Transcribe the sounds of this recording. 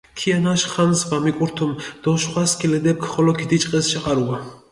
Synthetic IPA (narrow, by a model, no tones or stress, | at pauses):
kʰijanaʃχansbamikʼuɾt̪ʰumd̪̥ɔʃχʷwaskʰilɛd̪ɛp̚kʰχɔlɔkʰid̪it͡ʃʼqʼɛst͡ʃʰaqʼaɾua